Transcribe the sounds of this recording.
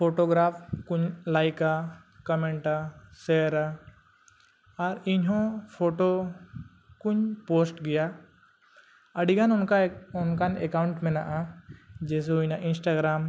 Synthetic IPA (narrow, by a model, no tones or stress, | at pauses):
pʰoʈɔɡɾapʰkuɲlajka | kɔmɛɳʈasɛɾa | aɾiɲɦɔ̃pʰoʈɔ | kuɲposʈɡɛja | əɖiɡanɔnkaɔnkanɛkawɳʈmɛnaʔad͡ʒɛs̬ɛunaʔinsʈaɡɾam